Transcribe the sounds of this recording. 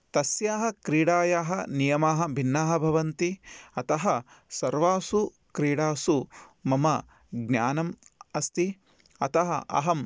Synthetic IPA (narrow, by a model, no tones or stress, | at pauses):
t̪ɐsjaːɦɐkɾiːɽaːjaːɦɐnijɐmaːɦɐ̆bʱinːaːɦɐbʱɐʋɐnt̪iɐt̪ɐɦɐ | sɐɾʋaːsu | kɾiːɽaːsumɐmɐ | ɡnja̰ːnɐmɐst̪i | ɐt̪ɐɦɐ̰ʔɐ̰ɦɐm